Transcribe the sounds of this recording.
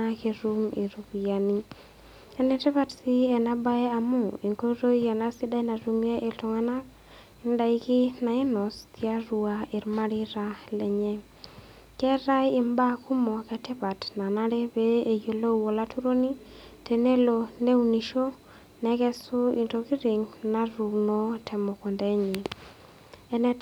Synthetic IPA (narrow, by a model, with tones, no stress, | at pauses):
a˦ke˨ɾu˦mi˨ɾu˨ki˨ja˨ni˦ | ɛ˦nɛ˨˦tɛ˦pa˦tsɪ˦ɛ˨na˦ba˦ɛ˦a˨mʊ˦i˨ŋko˦ɾo˦ia˨na˦sɪ˦da˦jna˨ɾu˦mje˦ʔe˨ltɔ˨ŋa˦na˦k | ɪ˦nda˦ɪ˦kɪ˦na˨ɪ˦nɔ˨stia˦ɾu˨a˨ɪ˨ɾma˦ɾɪ˦ɾa˦lɛ˨ɲɛ˦ | kɛ˦ɾa˦jɪ˨mba˦ku˦mɔ˨kɛ˨tɛ˦pa˨tna˨na˦ɾe˦beː˦˨jo˨lo˦wo˨la˦tu˦ɾo˦ni˦ | te˨ne˦lo˧ne˦u˦ni˨ʃo˦ | nɛ˨kɛ˦sʊ˦i˨nto˨ki˦ɾɪ˨ŋna˨ɾu˨no˦tʰɛ˨mɔ˨ko˨ndɛ˨˦ɲɪ˨ | ɛ˦nɛ˦